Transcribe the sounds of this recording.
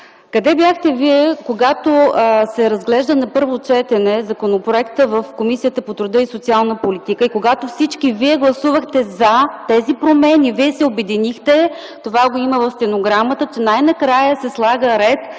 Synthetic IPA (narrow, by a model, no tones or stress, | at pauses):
kɐd̪ɛbjaxt̪ɛviɛkoɡat̪osɛɾɐzɡlɛʒd̪ənɐpɤɾvot͡ʃɛt̪ɛnɛzɐkonopɾoɛkt̪əvəfkomisijət̪əpot̪ɾʊd̪ɤisot̪sialˠnəpolit̪ikəikoɡat̪ofsit͡ʃk̟iviɛɡlˠɐsuvəxt̪ɛzɐt̪ɛzipɾomɛniviɛsɛobɛd̪inixt̪ɛ | t̪ovaɡoiməvɐfst̪ɛnoɡɾamət̪ət͡ʃɛnajnɐkɾajəsɛslˠaɡəɾɛt̪